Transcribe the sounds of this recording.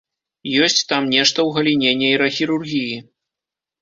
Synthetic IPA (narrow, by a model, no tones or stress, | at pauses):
jɔsʲt͡sʲt̪amnʲɛʂt̪ɐwɣɐlʲinʲɛnʲːɛjɾɐxʲiɾurɣʲiji